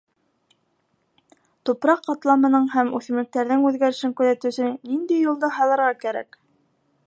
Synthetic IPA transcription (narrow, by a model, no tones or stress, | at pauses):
t̪upɾɑqːɑt̪lˠɑmɤ̆nɤɴɦæmʉθɘ̆mlɘ̆k̚t̪æɾðɘŋʉðɡæɾɘ̆ʃɘŋkʉðæt̪ɵ̆sɘnind̪ijːulˠd̪ɤɦɑlˠɤ̆ɾʁɑkæɾæ̰k